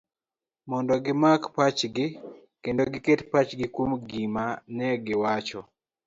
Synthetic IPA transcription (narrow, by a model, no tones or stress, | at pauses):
mɔndɔɡɪmakpat͡ʃɡɪ | kendoɡɪketpat͡ʃɡɪkumɡimanɛɡɪwat͡ʃɔ